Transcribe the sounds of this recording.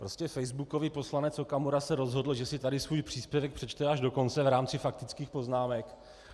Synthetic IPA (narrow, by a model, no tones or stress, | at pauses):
pɾo̞scɛfɛjzbuko̞viːpo̞slanɛt͡sokamoɾasɛɾo̞zɦo̞dl̩ʒɛsɪt̪adɪsvuːjpr̝̥iːspjɛvɛk̚pr̥ɛt͡ʃt̪ɛaʒdo̞ko̞nt͡sɛvɾaːmt͡sɪfak̚t̪ɪt͡skiːxpo̞znaːmɛk